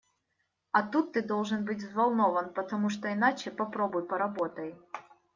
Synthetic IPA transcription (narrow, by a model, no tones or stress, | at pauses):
ɐt̪ut̪ːɨd̪olˠʐɨnbɨtʲvzvɐlˠnovənpət̪ɐmuʂt̪oɪnat͡ɕɪpɐpɾobʊjpɐɾɐbot̪əj